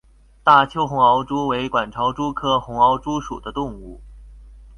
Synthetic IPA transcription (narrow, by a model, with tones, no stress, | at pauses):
t̪a˥˩t͡ɕʰjo˥ʊxʊ˧˥ŋɑ˧˥ʊʈ͡ʂu˥we˧˥ɪkwa˨˩nʈ͡ʂʰɑ˧˥ʊʈ͡ʂu˥kʰɤ˥xʊ˧˥ŋɑ˧˥ʊʈ͡ʂu˥ʂu˨˩d̪ə˦t̪ʊ˥˧ŋu˥˩